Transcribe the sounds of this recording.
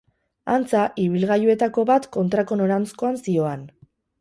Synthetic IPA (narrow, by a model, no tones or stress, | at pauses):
ant͡saʔiβilɣajue̞t̪ako̞βat̪ko̞nt̪ɾako̞no̞ɾant͡sko̞ansio̞an